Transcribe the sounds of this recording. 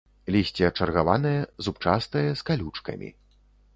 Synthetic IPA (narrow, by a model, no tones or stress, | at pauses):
lʲisʲt͡sʲɛɐt͡ʂɐrɣavanɐjɛzupt͡ʂast̪ɐjɐskalʲut͡ʂkɐ̰mʲḭ